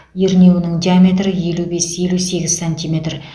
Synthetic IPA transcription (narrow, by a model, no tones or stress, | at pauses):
jeɾne̞wnɪŋd̪ʲijamʲe̞t̪rəje̞lube̞sje̞luse̞ɡʲɪzsanʲt̪ʲimʲe̞t̪r